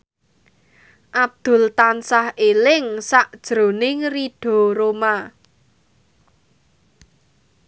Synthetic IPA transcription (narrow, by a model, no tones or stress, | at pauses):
ʔab̚d̪̥ʊ̤lt̪ansahelɪŋsaʔd̥ʒ̥ɾo̤nɪŋriɖ̥o̤ɾoma